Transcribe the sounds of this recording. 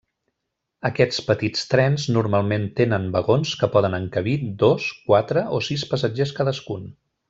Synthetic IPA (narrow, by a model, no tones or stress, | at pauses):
əkɛt͡spət̪it͡st̪ɾɛnznuɾmalˠment̪enənbəɣonskəpɔðənəŋkəβid̪oskwat̪ɾəʔosispəsəd͡ʒeskaðəskun